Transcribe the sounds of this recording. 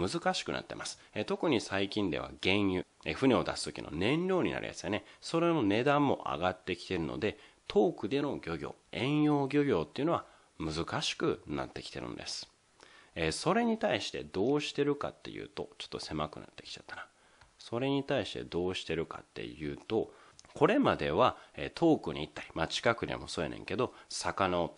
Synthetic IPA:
mɯ̟zɨkaɕi̥kɯ̟nʔa̰t̪ːe̞̰masɨ̥et̪o̞kɯ̟ɲ̟isaikʲĩnd̪e̞βa̰ɡẽ̞ɰ̃jɯ̟eɸɯ̟nʲeod̪asɨ̥t̪o̞kʲḭno̞̰nẽ̞nɾʲo̞ːɲ̟ḭna̰ɾʲʔḭja̰sɨjone̞so̞ɾe̞none̞d̪ãmːo̞̰ʔa̰ɡat̪ːe̞kʲi̥t̪e̞ɾɯ̟no̞̰d̪e̞ | t̪ʰo̞ːkɯ̟d̪e̞no̞ɡʲo̞ɡʲo̞̰ːẽ̞ɰ̃jo̞ːɡʲo̞ɡʲo̞ːt̪ːe̞iɯ̟noa | mɯ̟zɨkaɕi̥kɯ̟na̰t̪ːe̞ki̥t̪e̞ɾɯ̟̰̃n̰d̪e̞sɨ̥ | eso̞ɾe̞ɲ̟it̪aiɕi̥t̪e̞̰d̪o̞ːɕi̥t̪e̞ɾɯ̟ka̰t̪ːe̞̰jɯ̟̰ːt̪o̞t͡ɕo̥t̪ːo̞se̞makɯ̟̰na̰t̪ːe̞kʲi̥t͡ɕat̪ːana | so̞ɾe̞ɲ̟it̪aiɕi̥t̪e̞̰d̪o̞ːɕi̥t̪e̞ɾɯ̟ka̰t̪ːe̞̰jɯ̟ːt̪o̞kʰo̞ɾe̞mad̪e̞βaḛt̪ʰo̞ːkɯ̟ɲ̟iit̪ːaɾʲi̥mat͡ɕi̥kakɯ̟d̪e̞̰mo̞so̞ːjḛnḛ̃ŋke̞d̪o̞sakanaot̪

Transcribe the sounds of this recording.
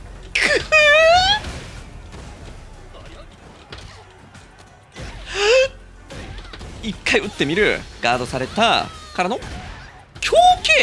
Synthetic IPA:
kʰɯ | ikːaiɯ̟t̪ːe̞mʲiɾɯ̟̰ɡ̥aːd̪o̞saɾe̞t̪a̰kaɾano | kʲʰoːkeː

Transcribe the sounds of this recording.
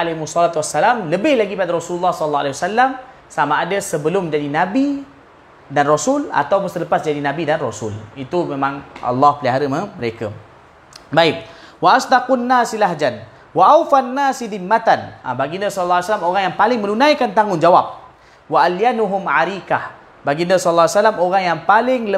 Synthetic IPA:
alemusˤːɔlat̪wasːalamləbɪhlaɡipadaɾɔsululːɑhsɔllːɑa̰lawasalːam | samaːdasəbəlʊmd͡ʒadinabi | danrosʊla̰t̪awpʊnsələpasd͡ʒadinãbidanrosʊlit̪umẽmãŋʔa̰lːɑhpəliɦaɾəməməɾeka | baɪp̚waʔasd̪aqunːasilaɦd͡ʒan | waʔawfanːaːsiðimːat̪ana̰baɡindəsɔllːaasalamoɣaŋjaŋpalɪŋmənunãjkant̪aŋʊnd͡ʒawap̚ | waʔaljanuɦʊmʕaɾikah | baɡindəsɔlːalsalamoɣaŋjaŋpalɪŋlə

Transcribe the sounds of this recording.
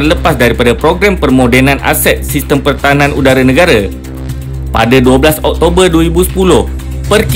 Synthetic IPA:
ələpasdaɾipadapɾoɡɾampərmodɛnanʔa̰sɛt̪̚sist̪əmpərt̪aɦananʔudaɾanəɡaɾa | pa̰daduablasɔk̚t̪obərduaɾibusə̥pulʊh | pərk

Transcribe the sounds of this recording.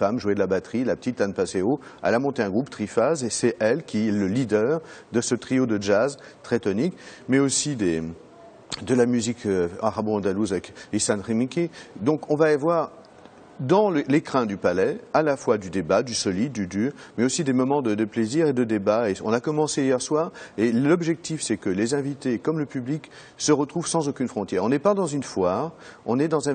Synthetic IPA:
famʒued̪əlabat̪χilapə̥t̪it̪ːanpaseoɛ̰lamɔ̃t̪eɛ̃ɡʁupt̪χifazesɛʔɛlkʲiɛləlid̪œʁd̪əsət̪χijod̪əʒazt̪χɛt̪ɔnikmɛosid̪e | d̪əlamyzikʰøaʁabɔ̃ɑ̃d̪aluzavɛkisanʁimikʲed̪ɔ̃kɔ̃vavwaʁ | d̪ɑ̃ləlekχɛ̃d̪ypalɛalafwad̪yd̪ebad̪ysɔlid̪ːyd̪yːʁmɛosid̪emɔmɑ̃d̪əd̪əpleziʁed̪əd̪ebaeɔ̃nakɔmɑ̃seijɛʁswaːʁelɔbʒɛk̚t̪ifsɛkəlezɛ̃vit̪ekɔmləpyblik | səʁət̪χuvsɑ̃zokʲynfχɔ̃t̪jɛʁɔ̃nɛpãd̪ɑ̃zynfwaːʁɔ̃nɛd̪ɑ̃zɛ̃

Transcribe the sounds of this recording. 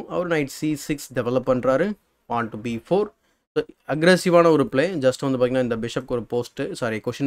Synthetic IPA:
ɐʋɐɾnɐɪʈsisɪksɖɛʋɛlɐpːɐɳɖɾaːɾɯ | ʋãːɳʈːubifoːɾ | soːɐɡɾɛsɪʋaːnɐɔɾɯpɭeːd͡ʒɐsʈʋɐnd̪ɯpaːɪŋɡnãːɪnd̪ɐbɪʂɐp̚kɔɾɯpoːsʈɯsaːɾiɐkoːʃɐn

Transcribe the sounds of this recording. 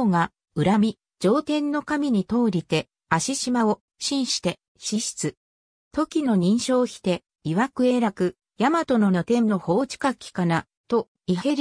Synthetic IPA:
ɡa | ɯ̟ɾamʲi | d͡ʑo̞ːt̪ẽ̞nːo̞kamʲiɲ̟it̪o̞ːɾʲit̪e̞ | aɕiɕimao | ɕĩɰ̃ɕi̥t̪e̞ | ɕiɕi̥t͡sɨ | t̪o̞kʲino̞ɲ̟ĩɰ̃ɕo̞ːçi̥t̪e̞ | iβakɯ̟e̞ɾakɯ̟ | jamat̪o̞no̞not̪ẽ̞nːo̞ho̞ːt͡ɕi̥kakʲːi̥kana | t̪o̞ | ihe̞ɾ

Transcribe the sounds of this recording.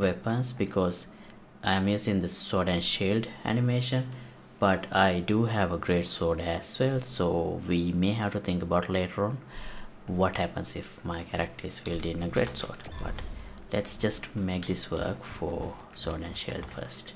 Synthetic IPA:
ʋepə̃nsbɪkʰɔːz | ʔãɪə̃mjuːzĩŋd̪əsɔːɖæ̃nʃilɖæ̰nɪmeːʃə̃n | b̥ʌʈʰaɪɖuːɦæʋəɡɾeːʈsɔːɖæzʋɛlsoːʋiːmeːɦæʋʈut̪ʰɪ̃ŋkəbaʊʈleːʈəɾɔ̃ːn | ʋɔʈhæpə̃nsɪfmaɪkʰæɾək̚ʈʰəɾz̥ʋilɖiɪ̃nəɡɾḛːʈsɔ̰ːɖb̥ʌ̰ʈ | lɛʈsd͡ʒʌsʈmeːk̚d̪ɪsʋə̰ɾkfɔ̰ | sɔːɖæ̃nʃḭːlɖfə̰ɾsʈ

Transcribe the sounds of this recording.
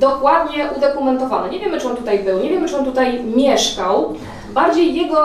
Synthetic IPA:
d̪ɔkwad̪ɲɛʔud̪ɔkumɛnt̪ɔvanɛɲeɛvʲjɛmɘt͡ʂɨɔnt̪ut̪ajbɘwɲɛvʲjɛmɘt͡ʂɨɔnt̪ut̪ajmʲjɛʂkaw | baɾd͡ʑejːɛɡɔ

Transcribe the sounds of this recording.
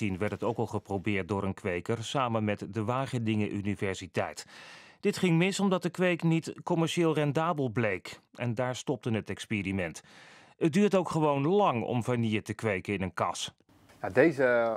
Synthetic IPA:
inʋɛɹtətowkɑlˠχəprowbɪːɹt̚dʊːɾənkʋejkəɹsaːmənmɛtdəʋaːχəndɪŋəʔynivɛɹsitɛ̰jtd̥ɪtχɪŋmɪsɔmdɑt̚dəkʋejknitkɔmɛɹʃɪːlˠrɛndaːbəlˠblejkɛndaːɹstɔp̚tənɦətɛkspeːrimɛnt | ət̚dyːɹtowkχəʋownlɑŋɔ̰mvanijətəkʋejkəɪnənkɑ̰s | jadejzə

